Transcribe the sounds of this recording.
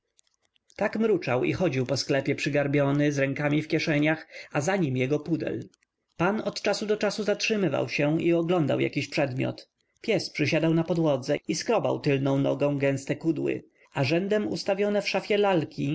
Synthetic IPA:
t̪akmɾut͡ʂawḭxɔd͡ʑiwpɔsklɛpʲjɛpʂɘɡaɾbʲjɔnɘzɾɛŋkamʲifkʲjɛʂɛɲaxazaɲimjɛɡɔpud̪ɛ̰l | panɔt̪t͡ʂasud̪ɔt͡ʂasuzatʂɘmɘva̰wɕɛiɔɡlɔnd̪a̰wja̰kʲiɕpʂɛd̪mʲjɔ̰t̪ | pʲjɛspʂɘɕad̪awnapɔd̪wɔd̪zɛiskɾɔba̰wt̪ɘlnɔ̃w̃nɔɡɔ̃w̃ɡɛ̃w̃st̪ɛkud̪wɘ̰ | aʐɛnd̪ɛmṵst̪avʲjɔnɛfʂafʲjɛlalkʲi

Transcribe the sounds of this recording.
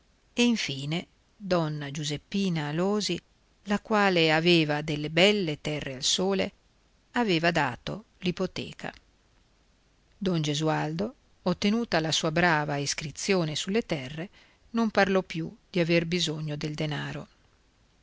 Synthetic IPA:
eiɱfiːne | d̪ɔnːad͡ʒuzepːiːnaːloːzi | lakwaːleaveːvad̪elːebɛlːet̪ɛrːealsoːlḛ | aveːvad̪aːt̪o̰ | lipot̪ɛ̰ːkʰa̰ | d̪ɔnd͡ʒezuald̪o | ot̪ːenuːt̪alasuːabɾaːvaiskɾit̪sːjoːnesulːet̪ɛrːe | nomparlɔpjud̪̥iaverbizoɲːod̪eld̪enaːɾo

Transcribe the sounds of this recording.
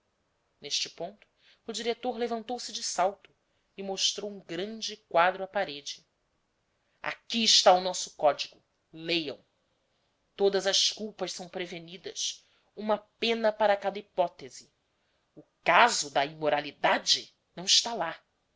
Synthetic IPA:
neʃt͡ʃɪpõnt̪ʊ̥ː | d͡ʒiɾet̪oɾlevɐ̃nt̪owsɪd͡ʒɪsawt̪ʊ | ɪmoʃt̪ɾowũɡɾɐ̃nd͡ʒɪkwad̪ɾʊapaɾed͡ʒɪ | a̰kiːʃt̪aʊnɔsʊ̥kɔd͡ʒiɡʊ | lejɐ̰̃w̃ | t̪od̪ɐzɐskuwpɐʃsɐ̃w̃pɾevenid̪ɐs | ũmɐpẽnɐpaɾɐkad̪ɐipɔt̪ezɪ | ʊkazʊd̪ɐimoɾalid̪ad͡ʒɪ | nɐ̃w̃ɪʃt̪ala

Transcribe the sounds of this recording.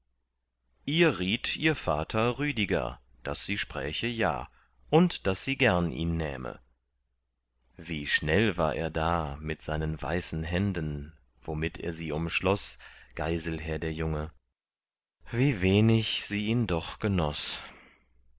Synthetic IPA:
ʔiːɐʁiːtʰʔiːɐfaːtʰɐʁyːdɪɡɐ̰ | d̥asz̥iːʃpʁ̥ɛːçəja̰ː | ʔʊntd̥asz̥iːɡɛɐnʔḭːnːɛ̰ːmə̰ | viːʃnɛlva̰ːɐʔḛːɐdaːmɪtz̥aɪnənva̰ɪsn̩ɦɛndən | vomɪtḛːɐziːʊmʃlɔsɡ̥aɪzl̩ɦɛːɐdeːɐjʊŋə | viːveːnɪçz̥iːʔiːndɔχɡ̥ənɔs

